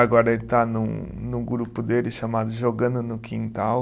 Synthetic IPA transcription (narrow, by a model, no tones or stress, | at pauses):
aɡɔɾɐelɪt̪anʊ̰̃nʊɡɾupʊd̪elɪʃamad̪ʊʒoɡɐ̃nd̪ʊnʊkʰĩnt̪aw